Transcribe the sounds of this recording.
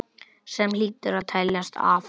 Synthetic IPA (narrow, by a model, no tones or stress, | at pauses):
sɛmliːt̪ɪɾaðt̪ʰɛljast̪ʰa̰ːf